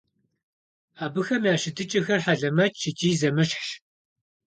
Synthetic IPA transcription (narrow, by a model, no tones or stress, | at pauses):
aːbɨxɐmjaːʃɪdɨt͡ʃʼɐxɐrħaɮɐmɐt͡ʃʰɪt͡ʃʼiːzɐmɨɕħʃ